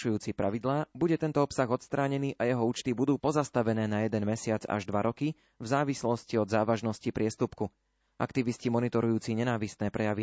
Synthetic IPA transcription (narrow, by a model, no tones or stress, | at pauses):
ʃujuːt͡sipɾaʋid̪laːbuɟɛt̪ɛnt̪ɔɔpsaɣɔt̪st̪ɾaːɲɛniːʔajɛɦɔuːt͡ʃt̪ibud̪uːpɔzast̪aʋɛnɛːnajɛd̪ɛnmɛsɪad͡za̰ʒd̪ʋaɾɔki | vzaːʋislɔsciɔd̪zaːʋaʒnɔscipɾɪɛst̪upku | ʔa̰kt̪iʋiscimɔnit̪ɔɾujuːt͡siɲɛnaːʋist̪nɛːpɾʔɛjaʋi